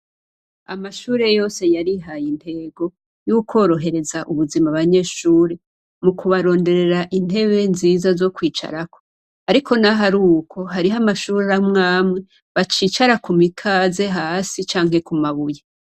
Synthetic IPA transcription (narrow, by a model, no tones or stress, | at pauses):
a̰maʃuːɾe̞jo̞ːse̞jaɾiɦajinte̞ːɡo̞ | jukʰo̞ːɾo̞ɦe̞ɾe̞zaʔuβuzimaβaɲe̞ːʃuːɾe | mukuβaɾo̞ːnde̞ɾe̞ɾaʔin̥he̞βe̞nziːzazo̞kwiːt͡ʃa̰ɾakʰo̞ | aɾiko̞naɦaɾuːkʰo̞ɦaɾiɦamaʃuːɾeɾamŋaːmŋe̞ | βat͡ʃiːt͡ʃaɾakumikʰaːze̞ɦaːsit͡ʃaːŋhe̞kumaβuje